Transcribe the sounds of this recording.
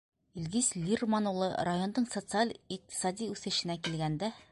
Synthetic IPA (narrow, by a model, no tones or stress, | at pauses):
ilʲɡislʲirmanulˠɤ̰ɾajo̞nd̪ɤɴsot̪sɨalʲiq̚t̪ʲʰi̥sɑd̪ʲiʉθɘ̆ʃɘ̆nækilɡænd̪æ